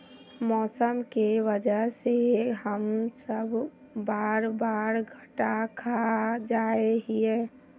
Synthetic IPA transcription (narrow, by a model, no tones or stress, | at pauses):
mɔːsəmkeʋəd͡ʒəɦseɦəmsəb | baːɾbaːɾɡʱəʈakʰad͡ʒaːeɦiɛ